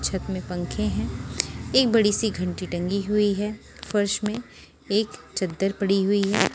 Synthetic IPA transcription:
t͡ʃʰət̪mẽpɐ̃ŋkʰẽɦɛ̃ːeːk̚bɐɽisiɡʱɐ̃ɳʈiʈɐ̃ŋɡiɦʊiɦɛː | fɐɾʃmẽ | eːkt͡ʃɐd̪ːəɾpɐɽiɦʊiɦɛː

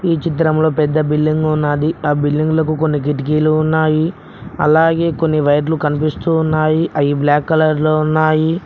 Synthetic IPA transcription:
iːt͡ʃit̪ɾɐmlo̞ːpɛd̪ːɐbilːiŋɡunːaːd̪iaːbilːiŋɡlɐkuko̞nːik̬iʈik̬iːluːnːaːji | ɐ̰laːɡe̞ːko̞nːiʋɐjɐɾ̬lukɐnipist̪uːnːaːjiʔɐjiblaːkːɐlɐɾloːunːaːji

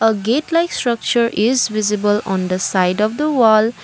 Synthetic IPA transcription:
əɡetlajkstɾʌk̚t͡ʃəɾʔizvizibəlɔ̃nd̪əsajdɔfd̪əwɔl

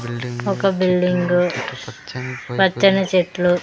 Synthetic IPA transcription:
ɔkɐbilɖiŋɡu | ʋɐt͡ʃːɐnɐt͡ʃet̪lu

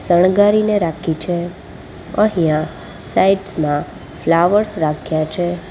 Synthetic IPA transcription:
səɳ̃ɡaɾineɾakʰit͡ʃʰe | ə̃ɦijã | saiʈsmã | flaʋəɾsɾakʰjat͡ʃʰe

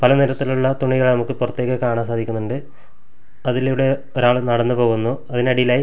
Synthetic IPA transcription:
pɐlɐniɾɐt̪ːiluɭːɐt̪uɳiɣɐɭnɐmukːɨpurɐt̪ːje̞ːɣɐkaːɳamsaːd̪ʱikʲːunːuɳɖɨ | ɐðiliʋiɽe | oɾaːɭnɐɽɐnːɨpo̞ːɣunːuɐðinɐɽijilaːji

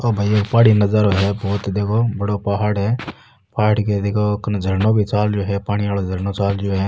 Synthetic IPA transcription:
obʱaieːkpaːɽinɐzəɾoɦɛbʱɔːt̪d̪eːkʰobɐɽopaɦaːɽɦɛ | paːaɽked̪eːkʰokɐnd͡ʒʱɐɾnobʱit͡ʃaːld͡ʒoːɦɛpaːɽ̃iʋaːlod͡ʒʱəɾnot͡ʃaːld͡ʒoːɦɛ

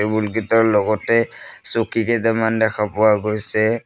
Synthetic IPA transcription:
ebulɡitaɹlɔɡɔtɛsokikɛzɛmandɛkʰapʊwaɡojsɛ

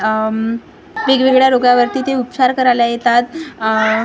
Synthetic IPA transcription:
ʋeɡʋeɡɭjaɾoɡaʋəɾt̪iːt̪eupsaɾkəɾaljajet̪at̪

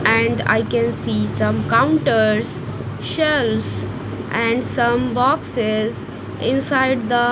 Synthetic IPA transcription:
ʔɛ̃ɳɖa̰ɪkɛ̃nsiːsʌ̃mkãʊ̃ɳʈəɾz | ʃɛls | ʔæ̃ɳɖsʌ̃mbɔksɪz | ɪ̃nsaɪɖd̪ə

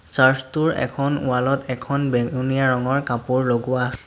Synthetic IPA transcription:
saɹstuɹɛ̰kʰɔnʊ̰alɔtɛkʰɔnbeunijaɹɔŋɔɹkapuɹloɡʊwas

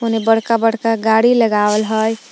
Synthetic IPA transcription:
onebəɽkabəɽkaɡaɽiləɡawəlɦəj

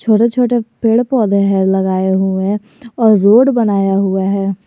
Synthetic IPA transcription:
t͡ʃʰoːʈet͡ʃʰoːʈepeːɽpɔːd̪ʱeɦɛlɐɡaːeɦuẽ | ɔːɾːoːɖbɐnaːjaɦʊaɦɛː

